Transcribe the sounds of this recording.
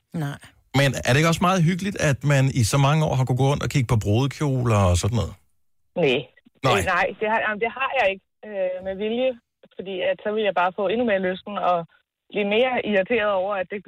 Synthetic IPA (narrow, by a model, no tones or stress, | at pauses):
nɑ | menæɐd̥ɾe̝e̝ɡ̥ɒ̽smɑ̈ːð̩ˠɦyɡ̥əlid̥æd̥mænisɒ̽mɑ̈ŋəɒ̰ːɦɑ̈kuɡ̥ɔ̰ːɔ̽n̰d̥ɒ̽kʰiɡ̥əpʰɒ̽b̥ʁo̝ːðˠəkʰjo̝̰ːlɒːsɒ̽d̥n̩ːɔ̽ːðˠ | ne | nɑɪ̰nɑ̈ɪ̰d̥e̝hɑnaɪmd̥e̝hɑ̈jɑ̈ɪe̝ɡ̥ə | ømeʋiljə | fɒd̥ḭːæd̥sɒ̽ʋe̝ljɑ̈ɪb̥ɑ̈ːfɔ̰̽ːe̝nume̝ːɐløsd̥n̩ɒ̽ | b̥lḭːme̝ːɐiɑt͡sʰe̝̰ːɐðˠɒʊ̰ɐæd̥e̝